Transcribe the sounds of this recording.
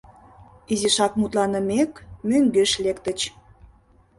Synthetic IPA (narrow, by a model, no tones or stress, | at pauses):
iziʃɑk̚mut̪lɑnə̆mekmøŋɡeʃlekt̪ət͡ɕ